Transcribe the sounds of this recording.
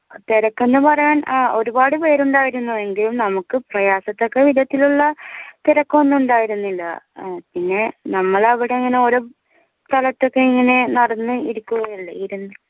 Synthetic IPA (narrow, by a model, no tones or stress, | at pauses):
t̪iɾɐkːo̞nːɨpɐrɐjaːnːo̞ɾubaːɽɨpe̞ːɾuɳɖaːjiɾunːue̞ŋɡilumnɐmukːɨprɐjaːsɐt̪ːo̞kːe̞ʋid̪ʱɐt̪ːiluɭːɐt̪iɾɐkːoːnːuuɳɖaːjiɾunːilːɐ̰pinːe̞nɐmːɐɭɐʋiɽeŋːɐne̞oɾu | t̪ɐlɐt̪ːo̞kːe̞iŋːɐne̞nɐɽɐnːɨiɾukːuɣɐjiɭːɐiɾunːɨ